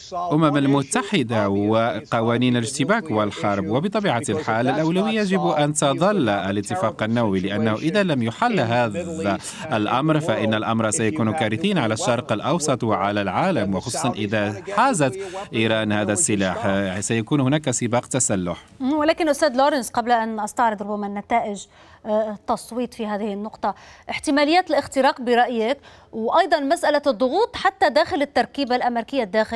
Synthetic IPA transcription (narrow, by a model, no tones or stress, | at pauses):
ʔʊmamalmʊt̪ːaħɪd̪awɪqɑwaːniːnalʒt̪ɪbaːkwɪlħɑɾˤbwəbət̪ˤɑbiːʕalħaːlːɪlʔawlawɪjːajʒɪbʔant̪ɑd̪ˤɑlːʔalət̪ːəfɑqanːawwilɪʔanːahuʔɪðalamjʊħalːɦaːa | ʔlʔɑmɾfaʔɪnːalʔɑmɾˤsajakuːnukæːɾɪθiːnʕalaʃːɑɾˤqəlʔɑwsˤɑt̪ˤwɪʕalalʕaːlamwxosˤuːsˤɑnʔɪðaħaːzat̪ʔiːɾˤɑːnhaːd̪asːɪlaːħsajakuːnhʊnaːkasɪbaːqt̪asalːʊħ | wɪlaːkɪnʔʊst̪aːd̪loːɾɪnsqɑblaʔanʔɑst̪ɑʕɾɨd̪ˤɾʊbːamanːat̪aːʔɪʒ | t̪ːɑsˤwiːt̪ˤfiɦaːðɪhɪnːʊqt̪ˤɑʔɪħt̪ɪmaːlɪjːaːt̪lʔɪxt̪ɪɾɑːqbɪɾˤɑʔjak | wʔɑjd̪ˤɑnmasʔalad̪ˤːʊɣuːt̪ˤħat̪ːad̪aːxɪlɪt̪ːɑɾˤkiːbalʔameɾɪkɪjːad̪ːaːxɪ